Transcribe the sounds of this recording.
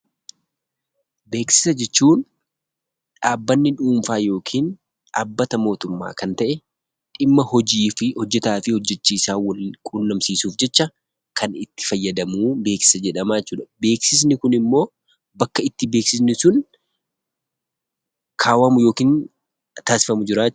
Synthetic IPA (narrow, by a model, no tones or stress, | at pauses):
be̞ːksɪ̥sɐd͡ʒɛt͡ʃːuːn | ᶑaːbːɐnːɪᶑuːmfaːjo̞ːkʰiːn | aːbːɐt̪ɐmo̞ːt̪ʊmːa̰ːkɐnt̪ɐʔɛ | ᶑɪmːɐhɔd͡ʒiːfɪhɔd͡ʒːɛt̪aːfɪhɔd͡ʒːɛt͡ʃːiːsaːwɐlkʼuːnːɐmsiːsuːfd͡ʒɛt͡ʃːɐ | kʰɐnɪt̪ːɪ̥fɐjːɐd̪ɐmuːbe̞ːksɪ̥sɐd͡ʒɛᶑɐmat͡ʃːuːᶑɐbe̞ːksɪs̬nɪkʊnɪmːo̞ː | bɐkːɐɪt̪ːɪbe̞ːksɪs̬nɪsʊn | kʰaːwɐmʊjo̞ːkiːn | t̪aːsɪ̥fɐmʊd͡ʒɪɾaː